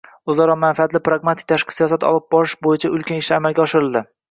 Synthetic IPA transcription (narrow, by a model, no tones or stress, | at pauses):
ʊzaɾɒmanfiat̪lɪpɾaɡmat̪ʰɪ̥k̚ʲt̪ʰaʃqʰɨ̥sijɒsat̪ʰɒ̰lˠɪp̚bɒɾɪʃbojɪt͡ʃʰaʔʊlˠkʲanɪʃamalɡʲaɒʃɪɾɪlˠd̪ɪ